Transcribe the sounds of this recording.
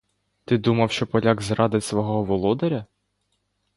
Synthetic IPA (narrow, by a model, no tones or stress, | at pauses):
t̪ɪd̪umɐwʃt͡ʃɔpɔlʲaɡzrɑd̪ɪtʲsʋɔɦɔɦɔʋɔlˠɔd̪eɾʲɐ